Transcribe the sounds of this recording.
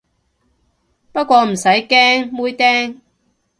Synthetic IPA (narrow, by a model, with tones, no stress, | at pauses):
pɐ˥t̚kʷɔː˧m̩˨˩sɐ˨˥jkɛː˥ŋmuː˥jt̪ɛː˥ŋ